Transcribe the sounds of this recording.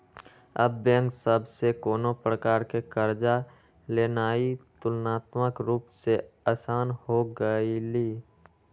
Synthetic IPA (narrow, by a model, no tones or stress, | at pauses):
ə̰bːẽŋksəbsekoːnopɾəkaːɾkekəɾd͡ʒa | leːnaːit̪ʊlnaːt̪məkɾuːpseəsaːnhoɡəiliː